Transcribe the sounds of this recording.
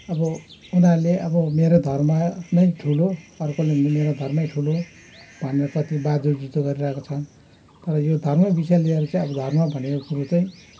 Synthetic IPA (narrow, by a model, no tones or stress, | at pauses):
ʌbʌunaleʔʌbʌmeɾod̪ʱʌrmʌnʌjʈʰuloʌrkolemʱnemeɾod̪ʱʌrmʌijʈʰulo | bʱʌneɾʌkʌt̪ibad͡zud͡zit̪oɡʌɾiɾʌekot͡sʰʌn | t̪ʌɾʌjod̪ʱʌrmʌbisjalieɾut͡saĩʌbʌd̪ʱʌrmʌbʱʌnekokuɾut͡saj̃